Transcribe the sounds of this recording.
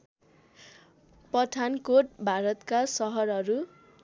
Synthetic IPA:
pʌʈʰankoʈ̚bʱaɾʌt̪kasʌɦʌɾʌɾu

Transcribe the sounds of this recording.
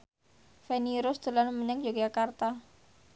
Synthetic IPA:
fɛniɾʊsd̪̥ə̤lanməɲaŋd͡ʒoɡiakart̪a

